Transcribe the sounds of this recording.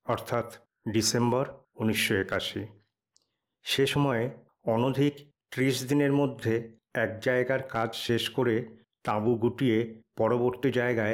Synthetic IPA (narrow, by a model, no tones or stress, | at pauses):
ɔɾt̪ʰat̪ | ɖisembɔɾ | uniʃːoekaʃi | ʃeʃɔmɔe | ɔnod̪ʱik | ʈ̪ɾiʃd̪ineɾmod̪ʱːe | ɛk̚d͡ʑaeɡaɾkad͡ʑʃeʃkoɾe | t̪abuɡuʈiepɔɾoboɾt̪id͡ʑaeɡae